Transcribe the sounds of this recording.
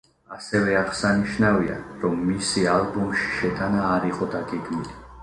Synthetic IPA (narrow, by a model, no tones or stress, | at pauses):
asɛvɛaʁsaniʃnavia̰ɾɔmːisialˠbumʃi̥ʃɛt̪ʼanaːɾiqʼɔd̪aɡɛɡmili